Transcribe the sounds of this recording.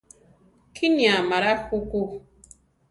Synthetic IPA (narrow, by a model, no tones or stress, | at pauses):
kʰiniamaɾakoko